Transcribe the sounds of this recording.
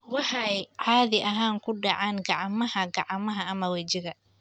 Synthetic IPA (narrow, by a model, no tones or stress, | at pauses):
wɑħɑjʕɑːðɪʔɐɦaːŋkʰʊɖɑʕɑːŋɡɑʕɑmɐhɐɡɑʕɑmɐɦɐːmɐwɐt͡ʃɪɣɐ